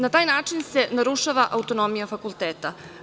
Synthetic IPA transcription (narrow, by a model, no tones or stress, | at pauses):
nat̪aːjnaːt͡ʂinse̞naɾuʃaʋaʔaut̪o̞no̞mijafakulˠt̪eːt̪a